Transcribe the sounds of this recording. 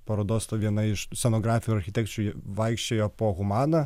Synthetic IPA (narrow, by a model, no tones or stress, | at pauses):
pɐɾoːd̪oːst̪ɐʋʲiɛnɐɪʃsʲɛnoːɡɾɑːfʲɪjuɾɐɾʲxʲɪt̪ʲɛkt͡ʃʲujʋɐɪkʃʲt͡ʃʲeːjoːpoːɣʊmɑːnɐ